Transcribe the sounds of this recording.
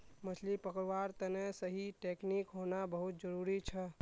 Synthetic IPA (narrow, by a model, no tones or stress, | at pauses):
mət͡ʃʰlipəkɾʋaɾt̪ənesəɦiʈeknikɦonabəɦut̪̚d͡ʒəɾuɾit͡ʃʰə